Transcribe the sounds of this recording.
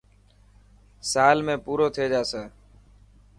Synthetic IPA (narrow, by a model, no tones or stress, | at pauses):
saːlmẽːpuːɾoːt̪ʰeːd͡ʒaːsəː